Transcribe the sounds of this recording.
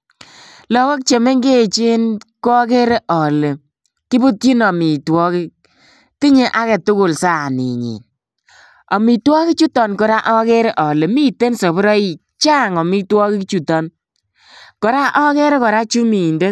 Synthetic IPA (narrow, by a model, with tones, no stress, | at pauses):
lɔ˨wɔ˦k̚t͡ʃe˨me˦ŋɡe˦˨t͡ʃiɪ˦nkɔ˦ke˦ɾe˦ʔɔ˨le˨ | ki˦bu˦t̚t͡ʃi˦nɔ˨mi˨twɔ˦ki˦ | ti˦ɲe˦ʔa˦kɛ˨tʊ˦kʊ˨lsa˦˨nḭ˨ɲḭ˨n | ɔ˨mi˨twɔ˦ki˦t͡ʃu˦tɔ˨nkɔ˨ɾa˦ʔɔ˦ke˦ɾe˦ʔɔ˨le˨mi˦te˦nso˨bɔ˦ɾɔ˦i˨ | t͡ʃa˦ŋɔ˨mi˦twɔ˦ki˦kt͡ʃu˨tɔ˨n | kɔ˨ɾa˦ʔɔ˦ke˦ɾe˦kɔ˨ɾa˦t͡ʃu˦mi˨nde˦